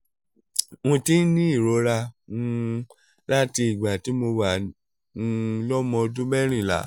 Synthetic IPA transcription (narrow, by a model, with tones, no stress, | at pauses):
ŋũ˧ti˦n̩˦nĩ˦i˦˨ɾo˨˦ɾa˧ũ˧ | la˦ti˧i˨ɡ͡ba˨ti˨˦mo˧wa˨ | ũ˧lɔ˦mɔ̃˧du˦mɛ˦ɾ̃ĩ˦˨la̰˨˦